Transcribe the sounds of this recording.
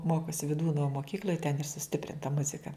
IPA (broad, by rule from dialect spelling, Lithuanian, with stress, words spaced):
ˈmoːkoːsʲɪ ʋʲɪˈduːnoː moːˈkʲiːklʲoːj tʲɛn ɪr sʊˈsʲtʲɪpʲrʲɪntɐ ˈmʊzʲɪkɐ